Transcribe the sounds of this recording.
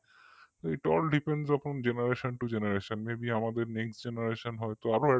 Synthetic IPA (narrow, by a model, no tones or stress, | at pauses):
t̪ejʈɔlɖipensɔpond͡ʑenaɾeʃonʈud͡ʑenaɾeʃonmebiamad̪eɾneksʈd͡ʑenaɾeʃonɦɔet̪oaɾoɛ